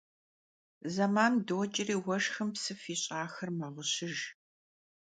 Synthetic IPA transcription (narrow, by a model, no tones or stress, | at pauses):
zɐmaːndoːt͡ʃʼɪriːwɐʒxɐmpsɨfiːɕʼaːxɐrmɐʁəɕɪʒ